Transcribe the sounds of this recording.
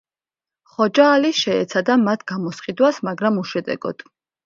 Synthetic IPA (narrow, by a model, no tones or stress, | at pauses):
χɔd͡ʒaːliʃɛɛt̪sʰad̪amat̪ʰɡ̥amɔsχqʼid̪wasmaɡɾamuʃɛd̪ɛ̰ɡ̥ɔ̰d̪̥